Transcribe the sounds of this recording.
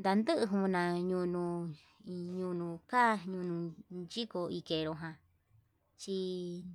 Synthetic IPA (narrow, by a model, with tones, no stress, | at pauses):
nd̪a˧nd̪ɨ˦ʔɨ˧ɦũ˧nã˧˨ɲũ˧nũ˧ | ɲũ˧nũ˧˨ka˦ɲũ˧nũ˧nt͡ʃi˦ko˧i˧ke˨ɾo˧ɦã˧ | t͡ʃi˧